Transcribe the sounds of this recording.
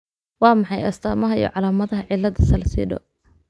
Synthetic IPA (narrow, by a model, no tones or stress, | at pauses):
wɑːmɑħɑjɐ̰st̪ʰaːmɐɦɐḭj̰ʕɑlaːmɐðɐɦɐʕɪlːɐðɐsɐlsḭːɖɔ̰